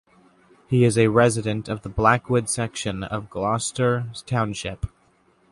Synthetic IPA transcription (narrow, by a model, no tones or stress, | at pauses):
hiɪzɨɹɛzɨɾɨ̃ntʰʌvðəblækwʊdsɛkʃɨ̃nʌ̰vɡlɑstə˞z̥tʰãʊ̃nʃɪp